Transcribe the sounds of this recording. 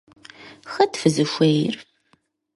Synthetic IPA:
xɐtfɨzɨʃʷejr

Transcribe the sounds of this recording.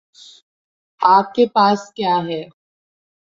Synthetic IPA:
aːp̚kepaːskjaːɦɛː

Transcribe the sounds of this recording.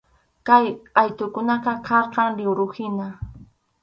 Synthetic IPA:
kajɑjt̪ʊkʊnaqɑkʰɑɾqɑŋlɪwɾʊhɪna

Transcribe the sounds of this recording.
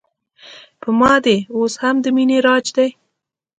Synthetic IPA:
pəmɑd̪eoshamd̪əmineɾɑd͡ʒd̪aj

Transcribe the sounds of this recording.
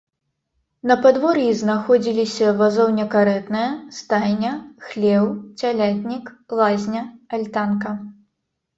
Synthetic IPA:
nɐpad̪vɔɾjiznaxɔd͡zʲilʲisʲɐvazɔwnʲɛkaɾɛt̪nɨjɐst̪ajnʲɐxlʲɛwt͡sʲalʲat̪ʲnʲiklˠazʲnʲɐalʲt̪ankɐ

